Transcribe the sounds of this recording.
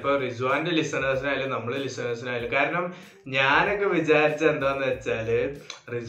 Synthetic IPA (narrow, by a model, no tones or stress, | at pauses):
pːoːrid͡ʑuʋaːndelisɐnɐːs̬inaːjilːunɐmːɐɭelisɐnɐːs̬unaːjilːukaːɾɐɳɐm | ɲaːno̞kːeʋit͡ɕaːɾit͡ɕːɐend̪aːʋenːɨʋet͡ɕːaːlrid͡ʑ